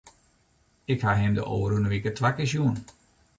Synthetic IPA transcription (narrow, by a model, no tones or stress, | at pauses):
ɪkhaɦɪmdə̰ʔoːɾunəʋikətʋakɪs̬juən